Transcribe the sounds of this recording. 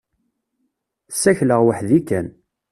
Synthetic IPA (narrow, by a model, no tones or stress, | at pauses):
sːæçləʁwəħðikæn